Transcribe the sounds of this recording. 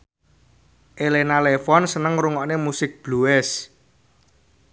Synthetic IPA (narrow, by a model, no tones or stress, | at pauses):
ʔelenalefɔnsənəŋruŋɔʔnemusɪk̚b̥luɛs